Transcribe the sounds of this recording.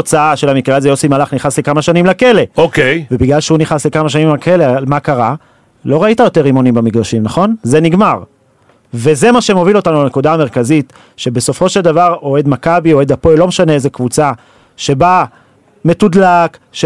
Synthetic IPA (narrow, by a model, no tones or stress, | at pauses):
ot͡saaʃe̞lamikʁeazejosimalaχniχaslekamaʃanimlake̞le̞okejvebiɡlalʃeuniχaslekamaʃanimakʰelealmakaʁa | lo̞ʁaitajo̞te̞ʁimo̞nimbamiɡdaʃimnaχo̞nze̞niɡmaʁ | veze̞maʃe̞mo̞vilo̞tanulane̞kudaːme̞ʁkazit | ʃe̞be̞so̞fo̞ʃe̞ld̪avaʁo̞e̞dmakabio̞e̞d̪apojlomeʃaneezekvut͡sa | ʃe̞ba | me̞tudlakʃ